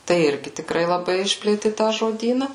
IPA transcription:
tɐɪ ˈɪrʲɡʲɪ tʲɪkˈrɐɪ lˠɐˈbɐɪ ˈɪʃʲpʲlʲeːtʲɪ ˈtɑː ʒoːdʲiːnɐ

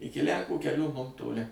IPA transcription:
ˈɪkʲɪ lʲˈæŋkuː kʲɛˈlʲuː mʊm toːˈlʲɪ

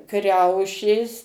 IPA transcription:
ˈkrʲɛʊʃʲeːs

